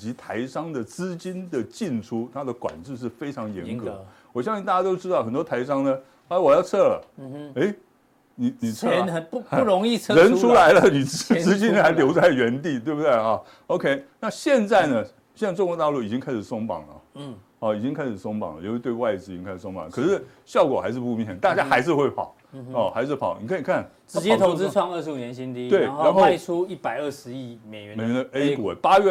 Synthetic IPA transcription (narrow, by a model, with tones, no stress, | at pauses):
t͡ɕi˧˥t̪ʰa˧˥ɪʂɑ˥ŋd̪ə˨t͡sɹ̩˥t͡ɕi˥nd̪ə˨t͡ɕi˥˩nʈ͡ʂʰu˥t̪ʰa˥d̪ə˨kwa̰˨˩nʈ͡ʂɻ̩˥˧ʂɻ̩˥˩fe˥ɪʈ͡ʂʰɑ˧˥ŋjɛ̰˧˥nkɤ̰˨˩˦ | wɔ˨˩ɕjɑ˥˧ŋɕi˥˧t̪a˥˩ja˥t̪o˥ʊʈ͡ʂɻ̩˥t̪ɑ˥˩ʊxə˨˩nt̪wɔ˥t̪ʰa˧˥ɪʂɑ˥ŋnə˨˥ | wɔ˨˩jɑ˥˧ʊt͡sʰɤ˥˩lə̰˩e˥ɪ | ni˨˩˦ni˨˩˥ɻo˧ŋi˥˧t͡sʰɻə˧˦˥nʰu˥la˧˥ɪlə˧ni˨˩t͡sɹ̩˥t͡ɕi˥n̩˥˩a˧˥ɪljo˧˥ʊt͡sa˥˩ɪɥɛ˧˥nt̪̬i˥˧t̪we˥˧ɪbu˩t̪we˥˩ɐ˥˩ | o˧ʊkʰe˥ɪna˥˧ɕjɛ˥˧nt͡sa˥˩ɪnə˩ | ɕjɛ˥˧na˥˧ʈ͡ʂʊ˥˧ŋkwɔ˥˧t̪ɑ˥˧ʊlu˥˩i˨˩t͡ɕi˦˥ŋkʰa˥ɪʂɻ̩˨˩sʊ˥ŋpɑ̰˨˩ŋlə̰˩ | ɔ˥˩i˨˩t͡ɕi˥ŋkʰa˥ɪʂɻ̩˨˩sʊ˥ŋpɑ̰˨˩ŋlə̰˦jt̪we˥˧ɪwa˥˧ɪʈ͡ʂɻ̩˥i˨˩i˥ŋkʰa˥ɪʂ̩˩˨˩so˥ŋmpɑ̰˨˩ŋə˩kʰɤ˨˩ʂɻ̩˥˩ | ɕjɑ˥˩ʊkwɔ˨˩xa̰˧˥ɪʂɻ̩˥˧pu˧mi˥˩˧nɕɛ˨˩˦n˦t̪a˥˧t͡ɕja˥xa˧˥ɪʂ̬ɻ̩˥˧xwe˥˩ɪpʰɑ̰˨˩˦ʊ | ɔ˥˩xa˧˥ɪʂ̬ɻ̩˥˩pʰɑ˨˦ʊni˨˩kʰi˨˩kʰa˥˩n | ʈ͡ʂɻ̩˧˥t͡ɕjɛ˥t̪ʰo˧˥ŋt͡s̩˥ʈ͡ʂʰwɑ˥˧ŋə˥˩ʂɻ̩˧˥u˨˩njɛ˧nɕi˥nt̪i˥t̪we˥˩ɪa˧˦nxo˥a˧ʊ˥˧ɪt͡sʰu˥i˥˩pa˨˩ɪə˥˩ʂɻ̩˧˦i˥˩me˨˩ɥɛ˧˦me˨˩ɥɛ˧˦nd̪ə˧e˥ku˨˩e˨˩pa˥ɥɛ˥